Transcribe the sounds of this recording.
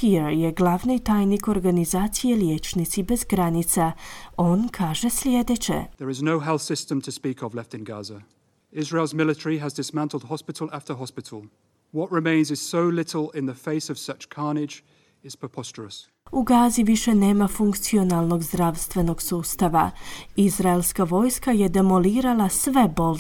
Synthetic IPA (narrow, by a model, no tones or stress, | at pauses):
kiɾjeɡlˠaʋnit̪ajniko̞ɾɡanizaːt̪sijeljeːt͡ʃnit̪sibezɡɾanit̪sao̞nkʰaːʒe̞slʲjed̪et͡ʃḛðəɹɪznoʊɦɛlˠθsɪstə̃mtʰəspiˑkəvlɛftɪ̃nɡa̰zə | ɪzɹeɪlˠzmɪlɪtəɹiəzdɪsmæ̃ntˡl̩ˠd̥̚ɦɒspɪtˡəl̩ˠaftəɦɒspɪtʰəl̩ˠ | wɒʔɹɪmẽɪ̃nzɪz̥soʊlɪtʰˡəl̩ˠɪ̃nðəfeɪsəv̥sʌt͡ʃkʰɑːnɪd͡ʒ | ɪz̥pɹ̥əpʰɒst͡ʃəɹəs | uɡaːziʋiʃe̞ne̞ːmafuŋkt̪sio̞nalˠno̞ɡzd̪ɾaʋst̪ʋe̞no̞ɡsuːst̪aʋa̰izɾaelskaʋo̞jskaje̞d̪e̞mo̞liːɾalasʋe̞bo̞l